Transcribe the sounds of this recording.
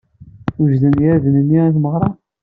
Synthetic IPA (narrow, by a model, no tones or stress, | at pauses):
uʒðənjæðənənːiæθməʁɾˤɑ